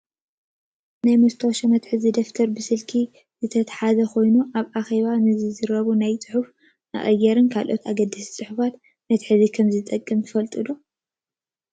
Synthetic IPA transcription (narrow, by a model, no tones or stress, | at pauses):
najmɨst̪ʰoʃɐmɐt̪ħɨzid̪ɐft̪ʰɐɾbɨsɨlkʰi | zɨt̪ʰɐt̪ʰḁħazɐkʰo̞jnuʔaβʔaxe̞βanɨzɨzɨɾɐβunajt͡sʼɨ̥ħuf | a̰χʼɐjɛɾɨnkʰalʔo̞t̪aɡɐd̪ːɨst͡sʼɨħufat̪ | mɐt̪ħɨzikʰɐmzɨt̪ʼɐkʼːɨmt̪ʰɨfɐlt̪ʼɨd̪o